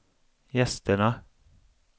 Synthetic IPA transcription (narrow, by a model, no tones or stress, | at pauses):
jɛst̪əɳa